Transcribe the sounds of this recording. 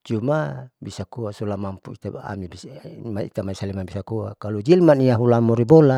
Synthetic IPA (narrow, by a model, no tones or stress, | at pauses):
t͡ʃumabisakuasɔlamampuḭt̪aaa̰mibismaḭt̪amaisalimanbisakuakalud͡ʒilmaniaɦulamɔɾibola